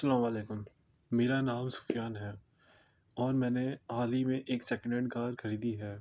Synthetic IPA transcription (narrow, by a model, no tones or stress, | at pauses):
sɐlaːmaːleːkʊmː | eːɾanaːmsʊ̥fjaːnɦɛː | ɔːɾmɛ̃ːneaːlimẽʔeːksɛːkə̃ɳɖeɖɡaːɾxɐɾiːd̪iɦɛː